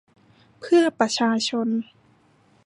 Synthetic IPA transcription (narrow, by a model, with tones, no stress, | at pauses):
pʰɯ˥˩ɐpa˧t͡ɕʰaː˧t͡ɕʰo˧n